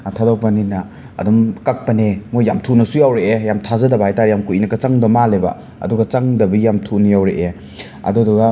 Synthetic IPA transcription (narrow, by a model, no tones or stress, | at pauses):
tʰadɔk̚pɐninɐ | ɐ̰dumkak̚pɐnemujamtʰunɐsujawɾeejamtʰazɐdɐbaajtaɾjamkuʔinɐkɐt͡ʃaŋdɐmaleba̰ | ɐ̰duɡɐt͡ʃaŋdɐbɐjamtʰunɐjawɾeʔe | ɐ̰duduɡɐ